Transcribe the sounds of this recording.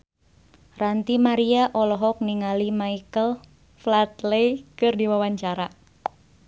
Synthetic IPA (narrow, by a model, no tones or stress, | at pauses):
rant̪imaɾiaʔɔlɔɦɔk̚niŋalimaikəl | flat̪lejkɨrdiwawaɲt͡ʃaɾa